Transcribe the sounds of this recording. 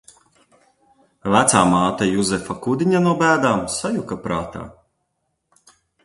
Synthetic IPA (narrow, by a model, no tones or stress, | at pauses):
væt̪saːmaːt̪ajuzɛfakud̪ʲiɲanɔbæːd̪aːmsajukapɾaːt̪a̰ː